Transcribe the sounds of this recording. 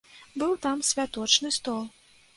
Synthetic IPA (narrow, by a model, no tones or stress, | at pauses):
bɨwt̪amsʲvʲat̪ɔt͡ʂnɨst̪ɔlˠ